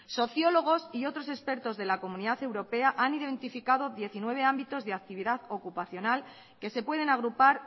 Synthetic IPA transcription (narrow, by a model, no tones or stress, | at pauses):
so̞θjo̞loɣ̞o̞sio̞t̪ɾo̞se̞spe̞ɾt̪o̞zðe̞lako̞mũniðaθe̞wɾo̞pe̞aʔaniðent̪ifikað̞o̞ðje̞θinwe̞β̞e̞ambit̪o̞zðe̞ak̚t̪iβ̞iðaðo̞kupaθjo̞nal | ke̞se̞pwe̞ðe̞naɣ̞ɾupaɾ